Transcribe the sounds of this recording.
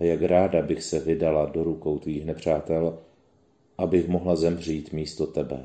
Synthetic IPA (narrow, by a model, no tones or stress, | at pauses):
jakɾaːdabɪxsɛvɪdaladoɾuko̞wt̪viːxnɛpr̝̥aːt̪ɛl | ʔabɪxmo̞ɦlazɛmr̝iːt̪miːst̪o̞t̪ɛbɛ̰